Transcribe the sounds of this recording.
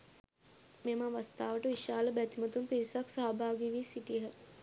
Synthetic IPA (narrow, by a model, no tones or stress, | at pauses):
memaʋast̪aːʋəʈəʋiʃaːləbæt̪imət̪unpiɾisaksaːbʱaːɡiʋiːsiʈijɦə